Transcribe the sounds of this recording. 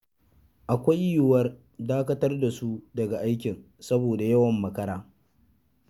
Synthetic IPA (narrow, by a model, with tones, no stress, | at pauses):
ʔa˨kʷa˦jju˦˨wɐ˦r | daː˦kɐ˦tɐ˦rda˨su˦dɐ˨ɡa˨ʔa˦jkʲɪ˨n | sɐ˦boː˨da˨jɐ˦wɐ˨mːɐ˨kɐ˦ɽaː˦